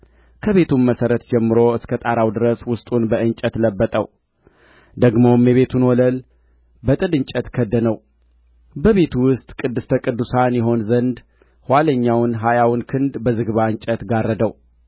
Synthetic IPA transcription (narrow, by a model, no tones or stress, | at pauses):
kʰəβe̞t̪ʰunməsəɾət̪d͡ʒɛmːɨɾo̞ɨskʰət̪ʼaɾawd̪ɨɾəswʊst̪ʼunbəʔɨɲt͡ʃʼət̪ləbːət̪ʼə̰w | d̪əɡmo̞mjɛβe̞t̪ʰunwɔləl | bət̪ʼɨd̪ɨɲt͡ʃʼət̪kʰəd̪ːənəw | bəβe̞t̪ʰuwʊst̪ʼkʼɨd̪ːɨst̪ʰəkʼɨd̪ːusanjɛɦo̞nzənd̪ | hwaləɲːawnɦajawnkʰɨnd̪bəzɨɡβaɨɲt͡ʃʼət̪ɡarːəd̪əw